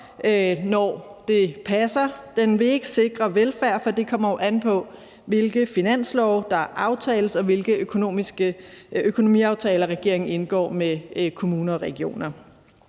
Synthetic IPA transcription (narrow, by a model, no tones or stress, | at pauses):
nɒd̥e̝pʰæsɐd̥enʋe̝e̝ɡ̥əse̝ɡ̥ʁɐʋelfæɐ̰fɒ̽d̥e̝kʰɒ̽m̰ɐjoʔænpʰɒ̽ | ʋe̝lɡ̥əfinæn̰slɒʊd̥ɑ̈ʔɑ̈ʊt͡sʰɛːləsɒ̽ʋe̝lɡ̥əøkʰo̝no̝̰ːmisɡ̥əøkʰo̝no̝mḭɑ̈ʊt͡sʰɛːlɐʁɛɡ̥e̝ɐ̰eŋn̩e̝nɡ̥ɒ̰ːmekʰo̝muːnɐɒ̽ʁɛɡ̥io̝̰ːnɐ